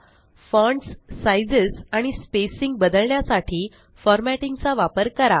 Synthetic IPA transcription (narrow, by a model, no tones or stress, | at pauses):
fɔ̃ɳʈsːajd͡zəsaɽ̃ispesiŋɡ̚bəd̪əlɳjasaʈʰiː | fɔɾmæʈiŋɡt͡saʋapəɾkəɾa